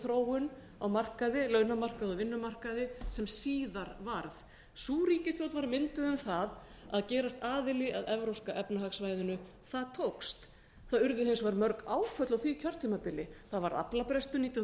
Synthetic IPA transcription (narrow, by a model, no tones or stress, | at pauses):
θɾoːwʏn | awmar̥kaðɪlœɥnamar̥kaðɔvɪnːʏmar̥kaðɪsɛmsiːðaɾvaɾð | suːɾiːcɪst̪owt̪vaɾmɪnt̪ʏðʏmθað | aðcɛːɾast̪aːðɪlɪʔaðɛvɾowskaʔɛpnaɦaksvajðʏnʏ | θaðt̪ʰowkst̪ | θaðʏɾðʏhɪnsvaɾmœɾkaːwfœt̪lawθvicʰœr̥t̪ʰʏmapɪlɪθaðvaɾa̰plapɾɛst̪ʏniːt̪